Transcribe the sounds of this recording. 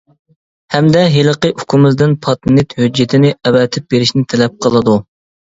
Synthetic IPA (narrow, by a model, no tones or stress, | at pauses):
hɛmd̪ɛɦeləqəʔukʲʰumɪzd̪ɪnpʰɑt̪nɪt̪hød͡ʒːɪt̪ʰɪnɪɛwɛt̪ʰɪp̚beɾɪʃnɪt̪ʰɛlɛp̚qʰəlˠɨd̪u